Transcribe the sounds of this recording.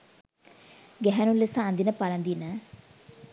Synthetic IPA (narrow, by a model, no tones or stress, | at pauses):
ɡɛɦɛnulːesaːnd̪inəpalɐnd̪inə